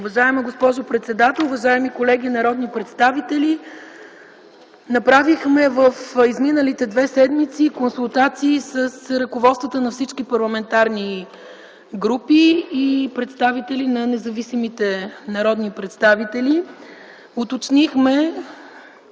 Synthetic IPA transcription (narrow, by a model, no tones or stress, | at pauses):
ʊvɐʒaɛməɡospɔʒʊpɾɛt̪sɛd̪at̪ɛlˠuvɐʒaɛmikolɛɡʲinɐɾɔd̪nipɾɛt̪st̪avit̪ɛli | nɐpɾavixmɛvəfizminəlit̪ɛd̪vɛsɛd̪mit̪sikonsulˠt̪at̪siːsəsɾɐkovɔt̪st̪vət̪ənɐfsit͡ʃkipɐɾlˠɐmɛnt̪aɾni | ɡɾupiːpɾɛt̪st̪avit̪ɛlinɐnɛzɐvisimit̪ɛnɐɾɔd̪nipɾɛt̪st̪avit̪ɛli | ʊt̪ot͡ʃnixmɛ